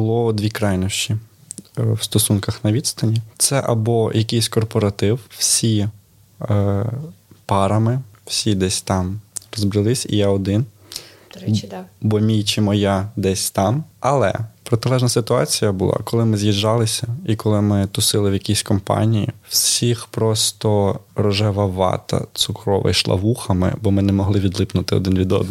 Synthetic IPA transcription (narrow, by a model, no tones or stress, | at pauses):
bʊlˠɔd̪ʲʋʲikɾɑjnɔʃt͡ʃi | wst̪ɔsunkɐxnɐʋʲid̪st̪ɐnʲit̪sɛʔɐbɔjɐkʲijsʲkɔrpɔɾɐt̪ɪwwsʲi | pɑɾɐmɪw̥sʲid̪ɛsʲt̪ɑmrɔzbɾɪlˠɪsʲḭjaɔd̪ɪn | bɔmʲijt͡ʃɪmɔjad̪ɛsʲt̪ɑmɐlˠɛ̰pɾɔt̪ɪlˠɛʒnɐsɪt̪ʊɑ̰t͡sʲijɐbʊlˠɑ̰kɔlˠɪmɪzʲjiʒːɑlˠɪsʲɐikɔlˠɪmɪt̪ʊsɪlˠɪwjɐkʲisʲkɔmpɑ̰nʲijḭw̥ssʲixpɾɔst̪ɔɾɔʒɛʋɐʋɑ̰t̪ɐ̰t̪sʊkɾɔ̰ʋɪ̰jʃlˠɐ̰ʋuxɐmɪ̰bɔmɪnɛmɔɦlˠɪʋʲid̪lˠɪpnʊt̪ɪɔ̰d̪ɪnʋʲid̪ɔ̰d̪n